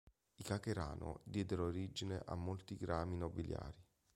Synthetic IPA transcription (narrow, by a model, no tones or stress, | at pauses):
ikakeɾa̰ːnʔo̰d̪jɛːd̪eɾoːɾid͡ʒineʔa̰mːolt̪iɡɾaːminobilja̰ːɾi